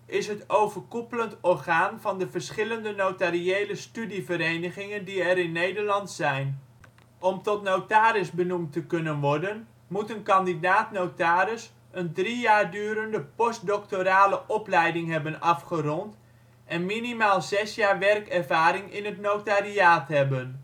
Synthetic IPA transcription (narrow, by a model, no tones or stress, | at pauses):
ʔɪsɦətowvəɹkupələntɔɹχaːnvɑndəvəɹsχɪləndənotariejləstydivəɾejnəχɪŋəndiɛɾɪnːejdəɹlɑntsɛjn | ɔmtɔtnowtaːɾɪsbənumtəkɵnənʋɔɹdən | mutənkɑndidaːtnowtaːɾɪs | əndrijaːɹdyːɾəndəpɔst̚dɔk̚toɾaːləʔɔplɛjdɪŋɦɛbənɑfχərɔnt | ʔɛnminimaːlˠzɛsjaːɹʋɛrkɛɹvaːɾɪŋɪnɦətnowtariaːtɦɛbən